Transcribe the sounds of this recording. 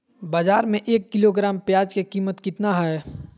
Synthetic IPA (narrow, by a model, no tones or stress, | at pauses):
baːzaːɾmẽʔeːkːɪloɡɾaːmpjaːd͡ʒkekiːmət̪kɪt̪naɦɛ